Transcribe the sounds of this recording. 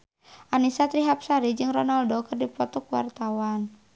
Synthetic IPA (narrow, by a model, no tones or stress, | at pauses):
ʔanisat̪ɾiɦap̚saɾid͡ʒɨŋrɔnaldɔkɨrdipɔt̪ɔkwa̰rt̪awan